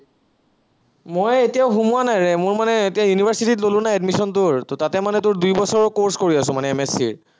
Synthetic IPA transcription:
mojetijaʊxumuanajɹɛmʊɹmanɛetijajunibʱaɹsititlolʊ̃najɛdmisɔnt̬ʊɹtotatɛmanɛtʊɹdujbɔsɔɹkoɹskoɹiasʊ̃manɛɛmesḭɹ

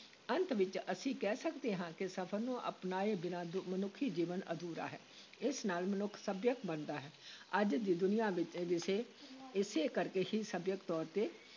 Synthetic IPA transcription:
ənt̪ʋɪt͡ʃəsĩːkɛːsəkd̪eːɦãːkɪsəpʰəɾnũːʔə̰pnaːeːbɪnaːd̪mənʊkʰːiːd͡ʒiːʋənə̰d̪uːɾa̰ːɦɛː | ɪsnaːlmənʊkʰsəbjəkbənd̪aːɦɛːəd͡ʒd̪iːd̪ʊnɪjãːʋɪt͡ʃːʋɪseːɪseːkəɾkeːhiːsəbjəkt̪ɔːɾt̪eː

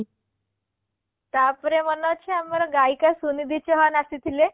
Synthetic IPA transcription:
t̪apɾemənət͡ɕʰeaməɾɡajkasunid̪it͡ɕɔɦanasit̪ʰile

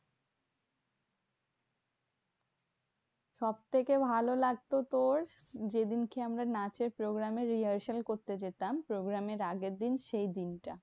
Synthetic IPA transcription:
ʃɔb̚t̪ʰekebʱalolaɡ̚t̪ot̪oɾd͡ʑed̪inkeamɾanat͡ɕeɾpɾoɡɾameɾiaɾʃelkoɾt̪ed͡ʑet̪ampɾoɡɾameɾaɡeɾd̪inʃejd̪inʈa

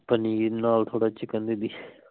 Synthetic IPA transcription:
pəninaːlt̪ʰoːɽat͡ʃɪkə̃nd̪id̪iː

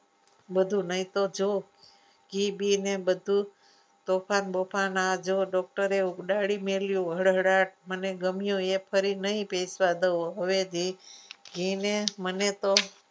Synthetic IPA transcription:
bəd̪ʱunəɦĩt̪od͡ʒo | ɡibinebəd̪ʱu | t̪ofʰanbəfanad͡ʒoɖɔk̚ʈəɾeukɗaɽimeljũɦəɽɦəɽaʈ̚məneɡəmjoepʰəɾinəɦĩpejsʋad̪əoɦəʋed̪iɡinemənet̪o

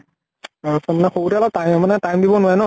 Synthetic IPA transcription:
aɹsɔnnaxoutɛalɔtajmɛmanɛtajmdibɔnʊajnɔ

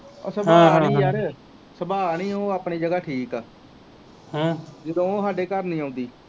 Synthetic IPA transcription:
ɔ̰ːsəbaːiːaɾeː | səbaːnĩːoːaːpɳiːd͡ʒəɡaːʈʰiːkaː | ɦãd͡ʒɪd̪õːoːɦaːɖeːkəɾnĩːaːʊ̃nd̪iː

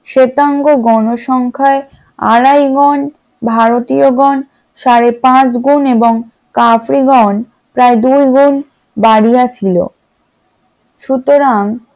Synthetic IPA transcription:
ʃet̪aŋɡoɡɔnoʃɔŋkʰae | a̰ɽajɡɔn | bʱaɾot̪ioɡɔn | ʃaɾepãt͡ɕɡuneboŋ | kafɾiɡɔn | pɾaed̪ujɡun | baɽijat͡ɕʰilo̰ | ʃut̪oɾaŋ

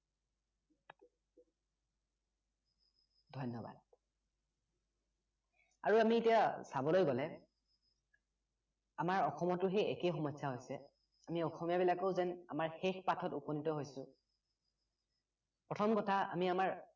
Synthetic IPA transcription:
dʱɔjnːɔba̰d̚ | a̰ɹuamietijasabɔlojɡɔlɛ | amaɹɔxɔmɔtʊɦejḛkejxɔmɔjsaɦojsɛ | amiɔxɔmijabilakoʊzɛna̰maɹxexpatʰɔtuponitɔɦojsʊ | pɹɔtʰɔmkɔtʰaa̰miamaɹ

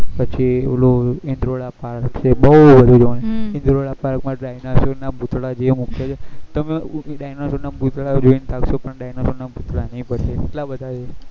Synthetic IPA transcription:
pət͡ʃʰiloɪnd̪ɾoɭapaɾkt͡ʃʰebəubəd̪ʱud͡ʒoneɪnd̪ɾoɭapaɾkmãɖajnasonabut̪ɭad͡ʒemukjat͡ʃʰet̪əmeɗajnosonabut̪ɭad͡ʒoint̪ʰakʃopəɳɖajnasonabut̪ɭanəɦĩpəɾʃeːʈlabəd̪ʱat͡ʃe

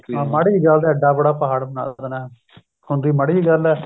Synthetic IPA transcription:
ãːməɽiːɡəld̪eːəɖːaːbəɽaːpəɦaːɽbəna̰ːd̪nɛː | hʊ̃nd̪iːməɽiːɡəlɛː

